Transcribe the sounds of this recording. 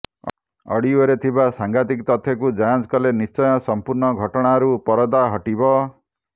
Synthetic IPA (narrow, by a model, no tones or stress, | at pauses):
ʌ̰ɽiɔɾet̪ʰibasaŋɡat̪ikt̪ɔt̪ʰjɔkud͡ʒajãd͡zkɔlenist͡ʃɔjɔsɔmpuɾɳɔɡʱɔʈɔɽ̃aɦɾupɔɾɔd̪aɦʌʈibɔ